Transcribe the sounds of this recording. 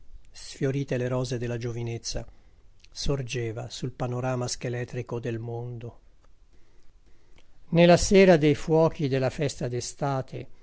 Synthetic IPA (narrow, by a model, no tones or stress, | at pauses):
sfjoɾiːt̪eleɾɔːzed̪elːad͡ʒovinet̪sːa̰ | sord͡ʒeːvasulpanoɾaːmask̟elɛt̪ːɾikod̪elmond̪o | nelːasɛːɾad̪ejfwɔːkid̪elːafɛst̪ad̪est̪aːt̪ʰḛ